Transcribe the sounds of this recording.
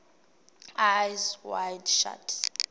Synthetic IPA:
ajzwajdʃa̰tʰ

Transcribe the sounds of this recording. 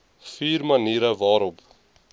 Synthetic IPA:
fiːrmɐniːɾəvɑːɾɔp

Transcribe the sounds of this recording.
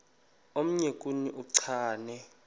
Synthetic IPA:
om̩ɲekʼuniʔuǀʰaːnɛ

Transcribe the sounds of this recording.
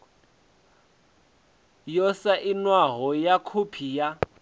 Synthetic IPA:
jɔsaʔinwaɦɔjakʰupʰija

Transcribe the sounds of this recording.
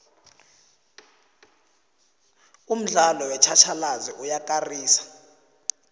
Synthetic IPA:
um̩ɮalɔwɛt͡ʃʰat͡ʃʰalaziʔujakʼariːsḁ

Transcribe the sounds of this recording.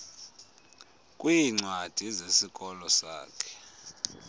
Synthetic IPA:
kʼwiŋ͡ǀwad̥ʱizesikʼɔlɔsa̰ːkʰɛ̥

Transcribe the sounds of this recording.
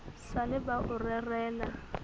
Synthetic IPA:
salɪbaʔʊrɛrɛːla

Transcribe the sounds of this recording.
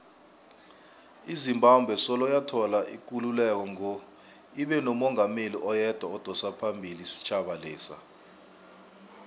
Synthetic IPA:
izimbʱambʱwɛsɔlɔjatʰɔlaʔik̬ʼululɛk̬ɔŋɔ | iɓɛnɔmɔŋameliʔɔjɛd̥ʱwaɔd̥ʱɔsapʰambʱilisi̥t͡ʃʰaɓalɛːsa̰

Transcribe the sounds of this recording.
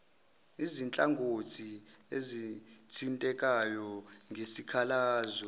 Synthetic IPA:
izint͡ɬʼaŋɡʱotʰi | ezi | tʰintʼɛkʼajɔŋɡʱesikʰalaːzɔ

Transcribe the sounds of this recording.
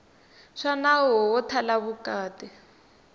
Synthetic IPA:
ʂanawɔwɔtʰalaβukaːti

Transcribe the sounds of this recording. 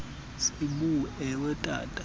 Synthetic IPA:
simuɛwɛtʼa̰ːtʼḁ

